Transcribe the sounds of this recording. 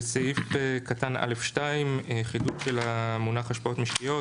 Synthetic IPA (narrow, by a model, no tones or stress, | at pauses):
saifekatana̰lefʃtaimχidutʃe̞lamunaχaʃpao̞tmiʃtijo̞